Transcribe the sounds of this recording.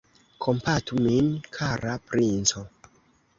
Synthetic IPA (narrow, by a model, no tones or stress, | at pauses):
kʰompatuminkʰaɾapɾint͡so